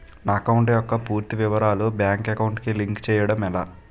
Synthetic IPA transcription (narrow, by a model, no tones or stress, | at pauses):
naɐkɐwuɳʈejɔkːɐpuːɾt̪iʋiʋɐɾaːlubjaːŋkekɐwɳʈkiliŋkt͡ʃɛːjɐɽɐmɛlaː